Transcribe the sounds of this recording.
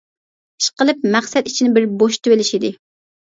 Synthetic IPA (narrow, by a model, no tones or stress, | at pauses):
i̥ʃqəlˠɨp̚mæχsɛt̪it͡ʃʰinɪbɪɾboʃt̪ʰøwelɪʃid̪ɪ